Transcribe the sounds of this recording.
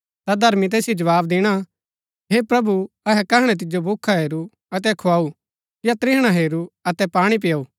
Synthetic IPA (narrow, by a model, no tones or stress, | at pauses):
t̪ad̪ʱɐɾmit̪̬ɛːsjid͡ʒɐʋaːbd̪ɪɽ̃a | ɦeːpɾɐbu | ɐɦɛkɐɦɽ̃ɛt̪̬ɪd͡ʒobʱʊkʰːaɦeːɾu | ɐt̪̬ɛkʰʊaːu | jat̪ɾɪɦɽ̃aɦeːɾuɐt̪ɛpaːɽ̃ip̬ɪjauː